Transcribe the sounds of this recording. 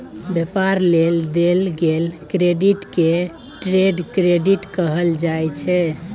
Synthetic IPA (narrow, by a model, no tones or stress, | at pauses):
bepaɾleld̪elɡelkɾeɖiʈke | ʈɾeɖkɾeɖiʈkəɦəld͡ʒajt͡ʃʰɛ